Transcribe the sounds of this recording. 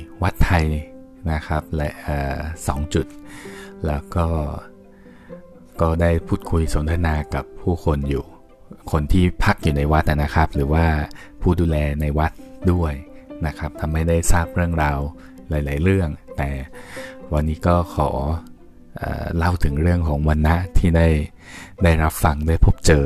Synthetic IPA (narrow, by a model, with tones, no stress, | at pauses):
wa˦˥t̪ʰːa˧j | na˦˥kʰa˦˥p̚lɛ˦˥ʔaː˨˩sɔ̰ː˩˦ŋt͡ɕu˨˩t̪̚lɛː˦˥wkɔː˥˩ | kɔː˥˩daː˥˩jpʰuː˥˩t̪̚kʰu˧jso˩˦nt̪ʰa˧naː˧ka˨˩pʰːuː˥˩kʰo˧njuː˨˩ | kʰo˧nt̪ʰiː˥˩pʰa˦˥˩k̚juː˨˩na˧jwa˦˥t̪ʔa˨˩na˦˥kʰa˦˥p̚ɾɯː˩˦waː˥˩ | pʰuː˥˩duː˧lɛː˧na˧jwa˦˥t̪̚du˥˩əjna˦˥kʰa˦˥p̚t̪ʰa˧mːa˥˩jda˥˩jsaː˥˩p̚ɾɯ˥˩əŋɾaː˧w | laː˨˦jlaː˩˦jɾɯ˥˩əŋt̪ɛː˨˩ | wa˧nːiː˦˥kɔː˥˩kʰɔː˩˦ | ʔa̰ː˨˩la˥˩wt̪ʰɯ˩˦ŋɾɯ˥˩əŋkʰɔː˩˦ŋwa˧nːa˦˥ʔt̪ʰiː˥˩da˥˩j | daː˥˩jɾa˦˥p̚fa˧ŋdaː˥˩jpʰo˦˥p̚t͡ɕɤː˨˧